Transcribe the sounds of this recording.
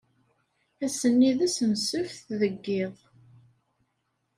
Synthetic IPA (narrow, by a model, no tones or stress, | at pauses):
æsənːiðæsənsəfθðəɡːɪðˤ